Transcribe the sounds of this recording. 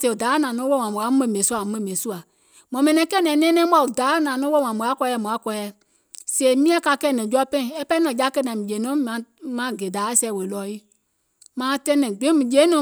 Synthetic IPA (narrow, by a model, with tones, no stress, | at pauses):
se˨u˨daː˨˦nã˨nɔ̃˨˦wo˦˨ã˨mũ˨a˨˦mɛ̃˧˨mẽ˨˦su˦a˨˦mɛ̃˦˨mẽ˨su˦a˨ | mɔ̃˨mɛ̃˧nɛ̃˨˦kɛ˦˨nɛ̃˨˦nɛ̃ː˦nɛ̃ː˦m˦a˧˨u˨daː˨˦˨nãː˨nɔ̃˦wo˦˨wã˨mũ˨a˨˦kɔ˧˦ɛ˧˨mɔ̃˨a˨˦kɔ˧˦ɛ˧˨ | seː˨˦mĩ˦ã˦ka˧kɛ˧˦˨nɛ̃˨d͡ʒɔ˧˦pɛ̃˦˨ɛ˦pɛ˦nã˨ja˦kɜ˧˦˨nã˨mĩ˨d͡ʒe˨˦nɔ̃˨˦ã˧˦mã˨˦ɡe˨daː˨˦sɛː˧˦˨we˨lɔː˨˦i˦ | mãː˨˦tɛ̃˧˦nɛ̃˨ɡ͡bẽ˨˦mĩ˨d͡ʒe˨˦nɔ̃˨˦